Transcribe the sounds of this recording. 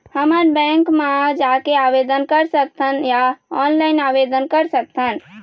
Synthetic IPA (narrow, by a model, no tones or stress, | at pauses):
həməɾbɛ̃ŋkmẽd͡ʒakeabed̪ənkəɾsək̚t̪ʰənjaɔnlaɪnabed̪ənkəɾsək̚t̪ʰən